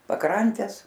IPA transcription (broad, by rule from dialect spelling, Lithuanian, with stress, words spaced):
pɐˈkrɐnʲtʲɛs